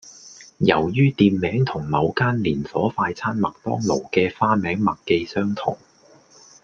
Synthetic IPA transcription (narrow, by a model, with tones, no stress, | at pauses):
jɐ˨˩wjyː˥t̪iː˧nmɛː˨˥ŋt̪ʰʊ˨˩ŋlɐ˨˧wkaː˥nliː˨˩nfɔː˨˥faː˧jt͡sʰaː˥nmɐ˨k̚t̪ɔ̰ː˥ŋlo˨˩wkɛː˧faː˥mɛː˨˥ŋmɐ˨kkːe˧jsœː˥ŋt̪ʰʊ̰˨˩ŋ